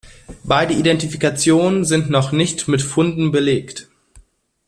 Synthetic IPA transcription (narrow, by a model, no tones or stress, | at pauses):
b̥aɪdəidɛntifikat͡sjoːnənzɪntnɔχnɪçtmɪtfʊndn̩bəleːkt